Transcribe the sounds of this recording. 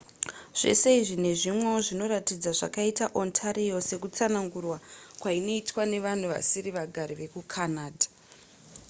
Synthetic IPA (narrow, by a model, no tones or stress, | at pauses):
ʐ̥e̞̰se̞iʐine̞ʐimweoʐino̞ratid͡zaʐa̰kaitaʔo̞ntʰaɾijo̞se̞kut͡sanaŋɡurwakwaino̞itwane̞ʋan̤uʋa̰siɾiʋaɡʱaɾiʋe̞kukʰanaːdʱḁ